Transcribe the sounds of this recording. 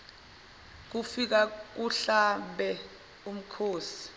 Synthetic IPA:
k̬ufik̬ak̬uɬambɛ | um̩kʰoːsi̥

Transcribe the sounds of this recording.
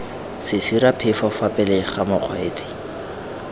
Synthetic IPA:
sɪsiɾapʰɪfɔfapʼɛlɪχamʊq͡χʰweːt͡sʼi̥

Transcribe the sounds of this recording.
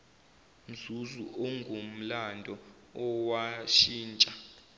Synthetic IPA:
n̩d͡zʱuzuʔɔŋɡʱom̩landʱɔ | ɔwaʃiːnt͡ʃʼa

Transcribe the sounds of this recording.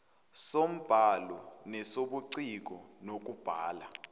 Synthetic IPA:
som̩b̥ʱalɔnɛsoɓuǀik̬ɔ | nok̬ʼub̥ʱaːla

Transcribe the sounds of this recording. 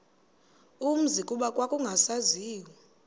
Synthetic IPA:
um̩zikʼuɓakʼwakʼuŋɡʱasaziːwɔ

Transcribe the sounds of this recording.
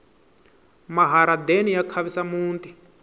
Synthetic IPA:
maɦaɾad̪enijakʰaβisamuːnt̪i

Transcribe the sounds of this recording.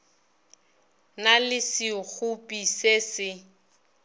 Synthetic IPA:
nalɪsɪk͡xʰupʼisesɪ

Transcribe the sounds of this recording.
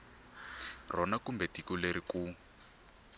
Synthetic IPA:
rɔnakumbɛtikuleɾiku

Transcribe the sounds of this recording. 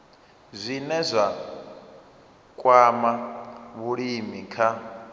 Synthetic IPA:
zʷinɛzʷa | kʼwamaβuɺimikʰa

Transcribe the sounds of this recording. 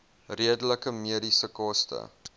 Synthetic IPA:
riədələkəmiəɾisəkɑstə̰

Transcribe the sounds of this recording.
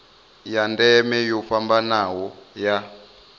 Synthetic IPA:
jandɛmɛjɔfambanawɔja

